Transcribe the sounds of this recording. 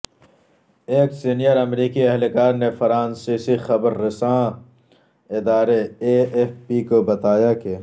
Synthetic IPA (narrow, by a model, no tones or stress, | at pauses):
eːksinijəɾɐmɾiːkiɐɦlekaːɾnefɐɾãːnsisixɐbɾːɪsãː | ɪd̪aːɾeefpikobɐt̪aːjake